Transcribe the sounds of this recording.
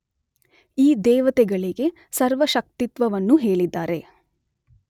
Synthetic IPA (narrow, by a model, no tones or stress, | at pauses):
iːd̪ɛːʋɐt̪ɛɡɐɭiɡe̞ | sɐɾʋɐʃɐk̚t̪it̪ʋɐʋɐnːuɦe̞ːɭid̪ːaːɾe̞